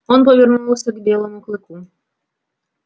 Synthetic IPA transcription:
ɔnp̬ɔvʲɛrnuɔwsʲɐɡbʲɛlˠɔmuklˠɨku

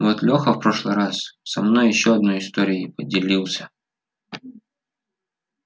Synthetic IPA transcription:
vot̪lʲoxəfpɾo̞ʂlˠɨjɾassɐmno̞jːɪɕːoɐd̪̚no̞jɪst̪oɾʲɪɪpədʲɪlʲilˠsʲə̥

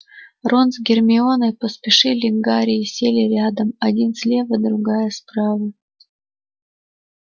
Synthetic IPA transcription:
ronzɡʲɪrmʲɪonɨpəspʲɪʂɨlʲɪŋɡaɾʲɪːsʲelʲɪɾʲad̪əmɐdʲinsʲlʲe̞vəd̪ɾʊɡajəspɾavə

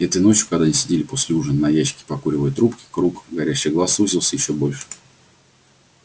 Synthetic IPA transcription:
ɛt̪əjno̞t͡ɕjʊkɐɡd̪anʲɪsʲɪdʲelʲɪpo̞sʲlʲɪuʐɨnnɐjæɕːɪ̥kʲɪ̥pɐkuɾʲɪvəjət̪ɾupkʲɪ̥kɾukɡɐɾʲæɕːɪjɡlˠasuzʲilˠsʲəjɪɕːo̞bo̞lʲʂɨ̥

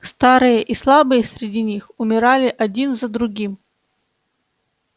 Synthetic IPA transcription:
st̪aɾɨjəʔislˠabɨjəsʲɾʲɪdʲinʲixʊmʲɪɾalʲɪʔɐdʲinzəd̪ɾʊɡʲim

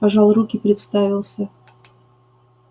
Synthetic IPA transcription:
pɐʐɑlˠrukʲɪpɾʲɪt̪st̪avʲɪlˠsʲə

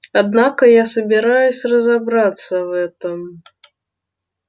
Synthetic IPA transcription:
ad̪nakɐjasɐbʲɪɾajusʲrɐzabɾat̪sɐvɛt̪ɐm

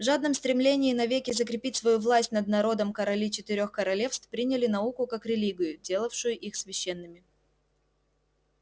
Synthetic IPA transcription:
vʐad̪̚nəmst̪ɾʲɪmlʲenʲɪːnɐvʲekʲɪzəkɾʲɪpʲitʲsvɐjuvlˠasʲtʲnəd̪nɐɾo̞d̪əmkəɾɐlʲit͡ɕɪt̪ɪɾʲo̞xkəɾɐlʲe̞fst̪fpɾʲinʲɪlʲɪnɐukʊkakɾʲɪlʲiɡʲɪjʊdʲe̞lˠəfʂɨjʊʔixsvʲɪɕːenːɨmʲɪ

